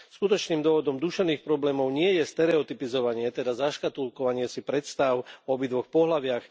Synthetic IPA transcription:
skut̪ɔt͡ʃniːmd̪ʊɔʋɔd̪ɔmd̪uʃɛʋniːxpɾɔblɛːmɔʊɲɪɛjɛst̪ɛɾɛɔt̪ipizɔʋaɲɪɛt̪ɛd̪azaʃkat̪ulkɔʋaɲɪɛsipɾɛt̪st̪aʊɔbid̪ʋɔxpɔɦlaʋɪax

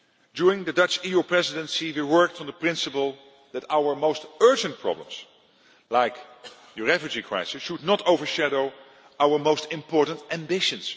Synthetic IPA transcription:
djuɹɪ̃ŋðɨdʌt͡ʃijupʰɹɛzɪdə̃nsiwiwɜ˞k̚tn̩ðəpɹɪ̃nsəpəl̩ˠ | ðætaʊə˞moʊstɜ˞d͡ʒɨ̃nt̚pʰɹ̥ɑ̰blə̰̃ms | laɪk | jəɹɛfjɨd͡ʒikʰɹ̥a̰ɪsɪʃudⁿnɔtoʊvə˞ʃæɾoʊ | aʊə˞moʊstɪ̃mpɔɹtn̩tæ̃mbɪʃɨ̃ns

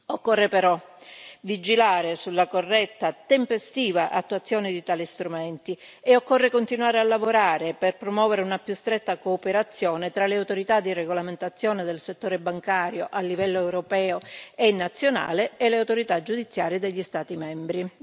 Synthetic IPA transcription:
okːorːepeɾɔvid͡ʒilaːɾesulːakorːɛt̪ːat̪empest̪iːvaʔa̰t̪ːuat̪sːjɔːnɪd̪it̪aːlist̪ɾumɛnt̪i | eokːorːekont̪inuaːɾealːavoɾaːɾeperpɾomwɔːveɾeunapjust̪ɾɛt̪ːakoːpeɾat̪sːjɔːnɪt̪ɾaleawt̪oɾit̪ad̪ːireɡolament̪at̪sːjɔːned̪elset̪ːoːɾebaŋkaːɾjoʔalːivɛlːoɛwɾopɛːoenːat̪sːjona̰ːlɪːleawt̪oɾit̪ad͡ʒud̪it̪sːjaːɾjed̪eʎːist̪aːt̪imɛmbɾi

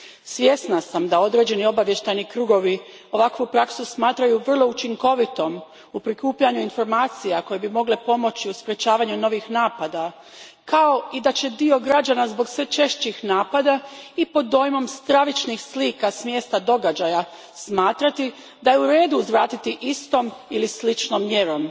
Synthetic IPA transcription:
sʋje̞snasamd̪ao̞d̪ɾe̞d͡ʑe̞nio̞baʋje̞ʃt̪ajnikɾuːɡo̞ʋi | o̞ʋakʋupɾaksusmaːt̪ɾajuʋr̩lˠo̞ut͡ʃiŋko̞ʋit̪o̞m | upɾikuːpʎaɲuinfo̞ɾmaːt̪sijako̞jebimo̞ɡlepo̞mo̞t͡ɕiuspɾe̞t͡ɕaːʋaɲuno̞ʋixnaːpad̪a | kao̞id̪at͡ɕe̞d̪io̞ɡɾad͡ʒanazbo̞ɡsʋe̞t͡ʃe̞ʃt͡ɕixnaːpad̪aipo̞d̪ːo̞ːjmo̞mst̪ɾaʋit͡ʃnixsliːkasmje̞ːst̪ad̪o̞ɡad͡ʑaja | smaːt̪ɾat̪i | d̪ajeuɾe̞ːd̪uːzʋɾaːt̪it̪iʔist̪o̞milislit͡ʃnomːje̞ɾo̞m

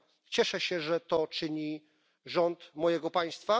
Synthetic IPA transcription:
t͡ɕɛʂɛɕɛʐɛt̪ɔt͡ʂɘɲi | ʐɔnt̪mɔjɛɡɔpaj̃st̪fa

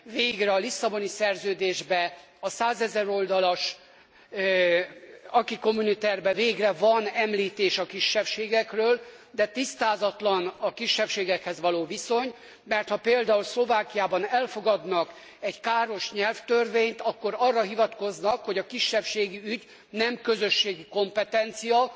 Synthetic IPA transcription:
veːɡrɛɒlisːɒbo̞nisɛrzøːd̪eːʒbɛ | ɒsaːzɛzɛɾo̞ld̪ɒlɒʃ | ɒkiko̞munit̪ɛrbɛveːɡrɛvɒnɛmliːt̪eːʃɒkiʃːɛpʃeːɡɛkrøːld̪ɛt̪ist̪aːzɒt̪lɒnɒkiʃːɛpʃeːɡɛkhɛzʋɒloːviso̞ɲ | mɛrt̪hɒpeːld̪aːulslo̞vaːkijaːbɒnɛlfo̞ɡɒd̪nɒk | ɛɟkaːɾo̞ʃɲɛlft̪ørveːɲt̪ɒkːo̞ɾɒrːɒɦivɒt̪ko̞znɒkho̞ɟɒkiʃːɛpʃeːɡiyɟ | nɛmkøzø̞ʃːeːɡiko̞mpɛt̪ɛnt̪sijɒ

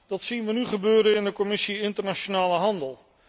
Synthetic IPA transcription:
d̥ɑtsinʋənyχəbøːɾəɪndəkɔmɪsiɪntəɹnaʃonaːləɦɑndəlˠ

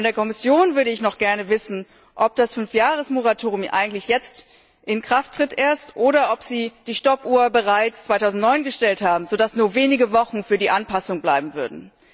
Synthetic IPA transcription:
ɔndeːɐkʰɔmɪsjoːnvʏɐɾəɪçnɔχɡ̥ɛɐnəvɪsn̩ | ʔɔp̚d̥asfʏnfjaːʁəsmoʁatʰoːʁjʊmʔa̰ɪɡŋ̩tlɪçjɛt͡st | ʔɪnkʁ̥aftʁ̥ɪtʔeːɐstʔoːɾɐʔɔpz̥iːd̥iːʃtɔpʔuːɐbəʁaɪt͡st͡svaɪtʰaʊzn̩tnɔʏnɡəʃtɛlthaːbm̩zodasnuːɐveːnɪɡəvɔχn̩fyːɐdiːʔanpasʊŋblaɪbm̩vʏɐdn̩

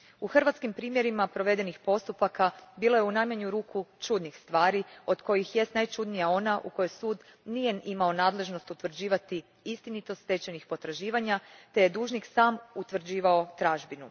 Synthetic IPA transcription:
uxr̩ʋat̪skimpɾiːmje̞ɾimapɾo̞ʋe̞d̪e̞nixpo̞st̪upakabiːlojeunajmaɲuɾuːkʰut͡ʃud̪nixst̪ʋaːɾio̞d̪ko̞jixjest̪najt͡ʃud̪nijao̞naʔṵko̞jo̞jsuːd̪nije̞nimao̞naːd̪le̞ʒno̞st̪ut̪ʋr̩d͡ʑiːʋat̪i | ist̪init̪o̞st̪e̞t͡ɕenixpo̞t̪ɾaʒiːʋaɲat̪e̞jed̪uːʒniksaːmut̪ʋr̩d͡ʑiːʋao̞t̪ɾaːʒbinu

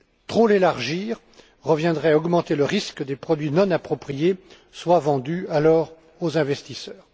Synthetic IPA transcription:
t̪χolelaʁʒiːʁ | ʁəvjɛ̃d̪ʁɛaɔɡmɑ̃t̪eləʁiskəd̪epχɔd̪ɥinɔ̃napχɔpχije | swavɑ̃d̪yalɔːʁ | ozɛ̃vɛst̪isœːʁ

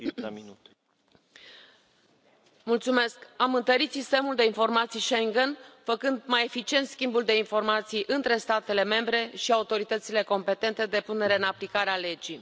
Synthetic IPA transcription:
mult̪sume̞skamɨnt̪əɾit̪sist̪e̞muld̪e̞info̞rmat̪sijʃeŋɡənfəkɨnd̪maje̞fit͡ʃie̞nt̪skʲimbuld̪e̞info̞rmat̪sijʔɨnt̪ɾe̞st̪at̪e̞le̞me̞mbɾe̞ʃiaut̪o̞ɾit̪ət̪sile̞ko̞mpe̞t̪e̞nt̪e̞d̪e̞pune̞ɾe̞ɨnaplikaɾeale̞d͡ʒij

